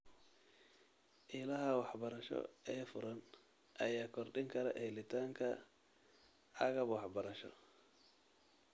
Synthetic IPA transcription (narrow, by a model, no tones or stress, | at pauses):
ʔiːlɐɦɐwɑħbɐɾɐʃɔ̰ɛːfʊɾɐn | ʔɐjaːkʰɔrɖɪŋkʰɐɾɐ̰ʔɛjlɪt̪ʰaːŋkʰɐ | ʕɑɣɐbwɑħbɐɾɐʃɔ̰